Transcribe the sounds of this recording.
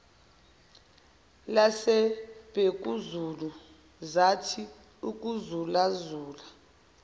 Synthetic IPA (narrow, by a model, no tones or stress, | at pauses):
lasɛb̥ʱek̬ʼuzulu | zatʰi | uk̬ʼuzulazuːla